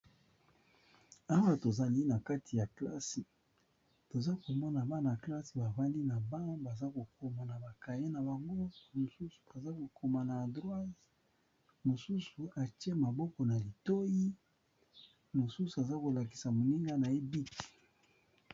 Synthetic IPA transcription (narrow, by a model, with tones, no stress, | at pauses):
a˦wa˦to˨za˦ni˦na˨ka˦tʰi˨ja˨kla̰˦si˨ | to˨za˦ko˨mɔ˦na˨ba˦na˨kla˦si˨ba˨va˦ndi˦na˨ba˦ba˨za˦ko˨ko˨ma˨na˨ba˨ka˨je˦na˨ba˨ŋɡo˦mo˨su˦su̥˨a˨za˦ko˨kʰo˨ma˨na˨dʁwa˦z | mo˨su˦su˨a˨ti˦e˦ma˨bɔ˦kɔ˨na˨li˨to˦ji˦ | mo˨su˦su˨a˨za˦ko˨la˨ki̥˨sa˨mo˨ni˦ŋɡa˦na˨e˦bi˦ti̥˨